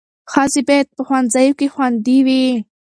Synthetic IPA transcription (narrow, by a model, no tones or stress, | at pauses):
xazibet̪̚pəxwanzajokexwand̪iwi